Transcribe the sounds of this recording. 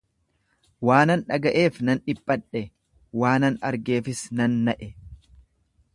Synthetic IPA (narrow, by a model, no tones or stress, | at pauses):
waːnɐnᶑɐɡɐʔe̞ːfnɐnᶑɪpʼːɐᶑɛ | waːnɐnɐɾɡe̞ːfɪsnɐnːɐʔɛ